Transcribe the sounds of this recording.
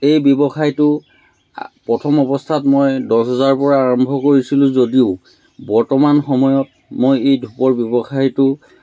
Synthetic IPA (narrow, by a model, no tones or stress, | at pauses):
ejbjɔbɔxʰajtʊ | pɹɔtʰɔmɔbɔstʰatmojdɔsɦɔzaɹpɔɹaːɹɔmbʱɔkoɹisilʊ̃zodiʊ | bɔɹtɔmanxɔmɔjɔt̚ | mojejdʱupɔɹbjɔbɔxajtʊ